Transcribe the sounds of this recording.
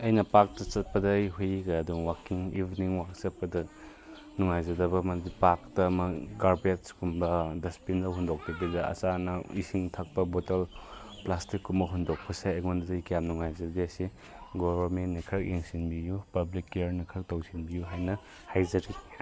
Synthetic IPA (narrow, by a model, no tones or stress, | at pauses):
ɐjnɐpak̚tɐt͡ʃɐt̚pɐdɐjɦujɡɐɐduŋwakiŋibʱniŋwakt͡ʃɐt̚pɐdɐ | nuŋajzɐdɐbɐmɐdipaktɐmɐɡaɾbiet̚skumbɐdɐspindɐɦundok̚tibidɐɐ̰t͡ʃanɐḭsiŋtʰɐk̚pɐbotɐl | plastikːumɐɦundok̚pʰɐseeŋonddɐjkijamnuŋajzɐdiɐsi | ɡobɐɾmentːnɐkʰɾɐk̚jeŋsinbijupɐblikːeɾnɐkʰɾɐk̚tɐwsinbijuɦajnɐ | hajzɐɾi